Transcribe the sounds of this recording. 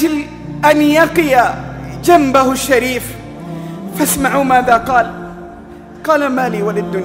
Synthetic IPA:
d͡ʒɪl | ʔanjɑqɨjad͡ʒambahʃːaɾiːf | fasmaʕumaːðaqɑːl | qɑːlamaːliːwalad̪ːʊn

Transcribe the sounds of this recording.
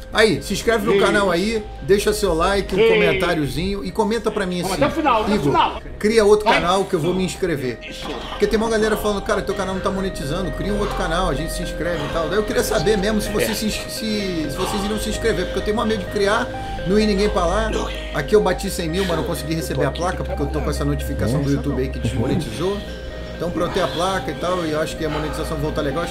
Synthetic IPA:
aisĩʃkɾɛvɪnʊkanawai | d̪eʃɐsewlajkɪũkomẽnt̪aɾjʊzĩɲʊɪkõmẽnt̪ɐpɾɐmĩɐsĩɛfinawiɡon | kɾiɐot̪ɾʊkanawkɪewvomiĩʃkɾeve | po̥ket̪ẽj̃maɐwɡalɛɾɐfalɐ̃d̪ʊkaɾɐʊt̪ewkanawnɐ̃w̃t̪amonet͡ʃizɐ̃nd̪ʊkɾiɐũot̪ɾʊ̥kanawɐʒẽnt͡ʃɪsĩʃkɾɛvɪit̪awd̪ɐ̃ewkiɾiɐsabeɾmeʒmʊsɪvoses | sɪsɪvoseziɾɐ̃w̃sĩʃkɾeveɾpo̥ɾ̥kewt̪ẽj̃ũamejʊd͡ʒɪkɾia | nɐ̃w̃inĩɡẽj̃pɾala | akiewbat͡ʃisẽj̃miwmɐnɐ̃w̃kõsɪɡihesebeɐplakɐpʊɾkewt̪okõɛsɐnot͡ʃi̥fikasɐ̃w̃d̪ʊujut̪ubɪɐikɪt͡ʃɪmonet͡ʃizo | ẽt̪ɐ̃w̃pɾɐet̪ẽɐplakɐit̪awɪewaʃʊ̥kɪɐmonet͡ʃizasɐ̃w̃vowt̪aɾleɡawaʃ

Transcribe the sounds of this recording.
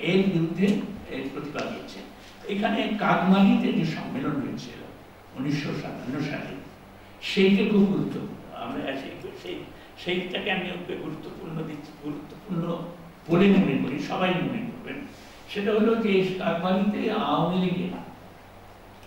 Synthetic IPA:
eɾbiɾud̪ʱːeeɾpɾot̪ibaɡḭjet͡ɕʰḛ | ekʰanekaɡmaɦit̪ed͡ʑeʃɔ̰mːelonɦojet͡ɕʰḛo̰ | oniʃːoʃa̰anːoʃa̰t̪ḭ | ʃejkekʰubɡuɾut̪ːopuɾnːo̰a̰mɾaʃejʃej | ʃejʈakeamiokeɡuɾut̪ːopuɾnod̪ii̥ɡuɾut̪ːo̥puɾno | b̥olenimekoɾiʃɔbajnomoekoɾbḛn | ʃeʈaɦolod͡ʑekaɡmaɦit̪eaonleɡena̰

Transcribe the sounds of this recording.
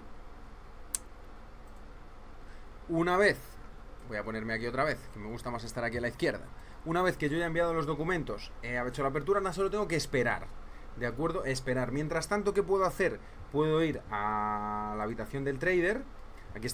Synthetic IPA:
unaβ̞e̞θbo̞japo̞ne̞ɾme̞akio̞t̪ɾaβ̞e̞θke̞meɣust̪amase̞st̪aɾakielaiθkje̞ɾða̰ | unaβ̞e̞θke̞ʝoajaembjað̞o̞lo̞zðo̞kumẽ̞nt̪oseaβet͡ʃo̞lape̞ɾt̪uɾanas̬o̞lot̪eŋɡoke̞ːspe̞ɾa̰ɾ | d̪eakwe̞ɾðo̞ʔe̞spe̞ɾaɾmje̞nt̪ɾast̪ant̪o̞ke̞pwe̞ðo̞aθe̞ɾ | pwe̞ð̞o̞iɾa | laβit̪aθjo̞nd̪e̞lt̪ɾejðe̞ɾ | akies

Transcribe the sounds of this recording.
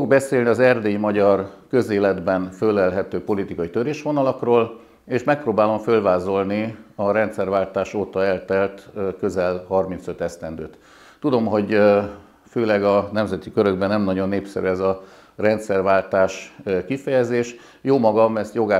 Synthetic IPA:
oɡbɛseːlniɒzɛrd̪eːimɒɟɒrkø̞zeːlɛd̪bɛnfølːɛlɦɛt̪øːpo̞lit̪ikɒit̪ø̞ɾeːʃʋo̞nɒlɒkroːl | eːʃmɛk̚proːbaːlo̞ɱfølvaːzo̞lniɒɾɛnt̪sɛrvaːlt̪aːʃoːt̪ɒɛlt̪ɛlt̪kø̞zɛlhɒrmint̪sø̞t̪ɛst̪ɛnd̪øːt̪ː | ud̪o̞mɦo̞ɟ | føːlɛɡɒnɛmzɛt̪ikøɾø̞ɡ̚bɛnːɛmnɒɟo̞nːeːpsɛ̰ɾy̰ɛzɒ | rɛnt̪sɛrvaːlt̪aːʃkifɛjɛzeːʃ | joːmɒɡɒmɛst̪jo̞ɡaː

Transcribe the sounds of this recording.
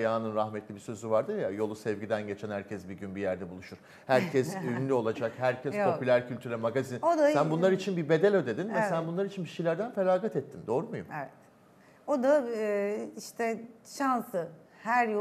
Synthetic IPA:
jaːnɯnɾaxmɛt̪lʲibisø̞zyvaɾd̪ɯɾjajo̞lˠusɛvɟid̪ænɟet͡ʃʰɛnhæɾcʰɛsbiɟynbijæɾd̪ɛbulˠuʃuɾ̥ | hæɾcʰɛsynlʲyo̞lˠad͡ʒakhæɾcʰɛspʰo̞ylʲæɾcʰylʲt̪ʰyɾʲɛmaɡazinod̪asænbunˠaɾit͡ʃʰinbibe̞d̪elʲø̞d̪e̞d̪inmɛselæaːnbunlˠaɾit͡ʃʰinbiʃijlʲæɾd̪ænfelaːɡat̪ɛt̪ʰːind̪o̞ɾumujumɛvɛt̪ | od̪a | iʃt̪ʰɛʃansɯ | hæɾjo

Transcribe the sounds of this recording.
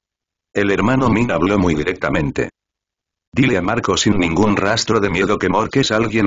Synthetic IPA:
e̞le̞ɾmanominaβlomujðiɾe̞k̚t̪amẽ̞nt̪e̞̰ | d̪ilemaɾkosinːĩŋɡunrast̪ɾoðe̞mjeðoke̞moɾke̞salɣje̞n

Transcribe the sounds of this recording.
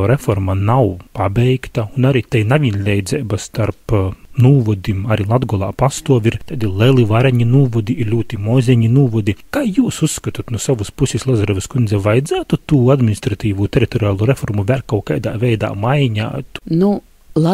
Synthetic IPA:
ɾɛfɔɾmanawpabʲɛjkt̪aunaɾit̪ɛjnaʋʲinʲlʲɛjd̪zɛːbast̪aɾpnuːvɔd̪imaɾilˠad̪ɡɔlˠa̰ːpast̪uɔʋʲiɾt̪ad̪ilʲˠɛlˠiʋaɾɛɲinuːvɔd̪iiɾlʲuːt̪imozʲeɲinuːʋɔd̪ikaːjuːsusːkat̪ut̪nusaʋuspusʲislˠazaɾɔvʲɪskund̪zʲɛʋajd̪zæːt̪ut̪uːad̪mʲinʲist̪ɾat̪iːʋuːt̪ʲɛɾit̪oɾiaːlˠuːɾefɔɾmuvʲælʲkawkajd̪a̰ːvʲɛjd̪a̰ːmajɲa̰ːt̪nu | lˠa

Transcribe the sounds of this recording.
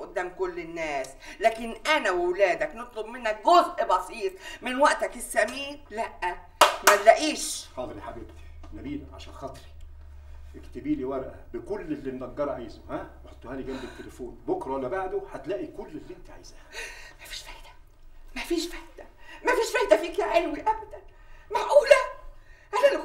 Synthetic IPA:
ʔʊd̪ːæːmkʊlːɪnːæːs | læːkɪnʔænæwɪwlæːd̪æknɨt̪ˤlobmɪnːæk̚ɡozʔbɑsiːt̪ˤmɪnwæʔt̪ækɪsːæmiːnlæʔːæ | mælːæʔiːʃħɑːt̪ˤɾiħabebt̪i̥næmiːlæʕa̰ʃæːnxɑt̪ˤɾi̥ | ʔekt̪ebiːliwæɾˤʔæbɪkʊlːelːinːɑɡːɑɾˤʕajzohæweħot̪ˤːohæːliɡæmbet̪ːelefoːnbokɾˤɑwælæbaʕd̪oħat̪læːʔikʊlːelːiʔent̪æʕa̰jzæhæmæfi̥ːʃfæjd̪æ | mæfiːʃfæjd̪æmæfiːʃfæjd̪æfiːkæʕelwiʔæbæd̪æn | maʕʔuːlæʕalæl

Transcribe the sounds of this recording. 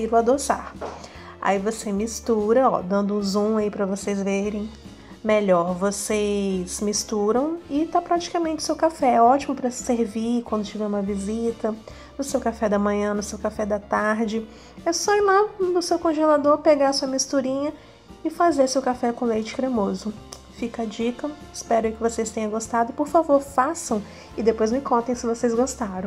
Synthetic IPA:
iɾʊad̪osa̰ɾ | a̰ivosemist̪uɾɐɔ̰d̪ɐ̃nd̪ʊũzũaipɾɐvosejzveɾẽj̃ | meʎɔɾvosezmist̪uɾɐ̃w̃ɪt̪apɾat͡ʃi̥kamẽnt͡ʃɪʊ̥sewkafɛɛɔt͡ʃimʊpɾɐseɾvikwɐ̃nd̪ʊt͡ʃivɛũmɐvizit̪ɐ | nʊsewkafɛd̪ɐmɐ̃ɲɐ̃nʊsewkafɛd̪ɐt̪aɾd͡ʒɪ | ɛsɔilad̪ʊsewkõʒelad̪oɾpeɡaɐsuɐmist̪uɾĩɲɐ | ɪfazeɾsewkafɛkõlejt͡ʃɪ̥kɾemozʊ | fikɐd͡ʒikɐɪspɛɾʊikɪvosest̪ẽjɲɐ̃ɡost̪ad̪ʊpoɾfavoɾfasɐ̃w̃ | ɪd̪epojzmɪkõnt̪ẽj̃sɪvosejzɡost̪aɾɐ̃

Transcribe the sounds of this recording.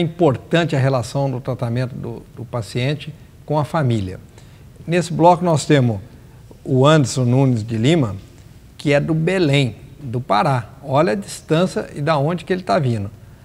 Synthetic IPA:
ĩpoɾt̪ɐ̃nt͡ʃɪɐɦelasɐ̃w̃d̪ʊt̪ɾat̪amẽnt̪ʊd̪ʊ̰d̪ʊpasiẽnt͡ʃɪ | kõɐfamiljɐ̰ | nesɪblɔkʊnɔst̪ẽmʊ | ʊɐ̃d̪eɾsõnũnɪzd͡ʒɪlĩmɐ | kɪɛd̪ʊbelẽj̃d̪ʊpaɾaɔʎɐad͡ʒist̪ɐ̃sɐ̰ɪ̰d̪aõd͡ʒɪkɪelɪt̪avĩnd̪ʊ

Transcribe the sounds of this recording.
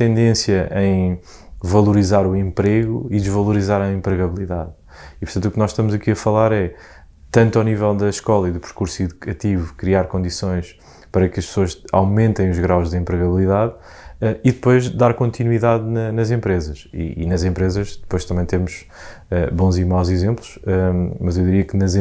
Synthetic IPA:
t̪ẽnd̪ẽsjɐʔɐ̃j̃ | vɐlˠuɾizaɾuẽmpɾeɣṵid̪ʒvɐlˠuɾizaɾɐẽmpɾɨɣɐβlˠiðað | ipuɾt̪ɐ̃t̪uknɔʃt̪ɐmuzɐkiɐfɐlˠaɾɛ | t̪ɐ̃nt̪awnivɛlˠd̪ɐʃkɔlˠɐiðupɾkuɾsiðukɐt̪ivukɾiaɾkõnd̪isõj̃ʃ | pɐɾɐkɐʃpsoɐʃa̰wmẽnt̪ɐ̃j̃uʒɣɾawʒðẽmpɾɨɣɐβlˠiðað | ɛiðɨpojʒd̪aɾkõnt̪inwiðaðnɐnɐzẽmpɾezɐʃḭːnɐzẽmpɾezɐʃd̪ɨpojʃt̪ɐmɐ̃j̃t̪emuʒ̥ | ɛbõzimawzizẽmplˠuʃɛmɐzewðiɾiɐknɐz̃

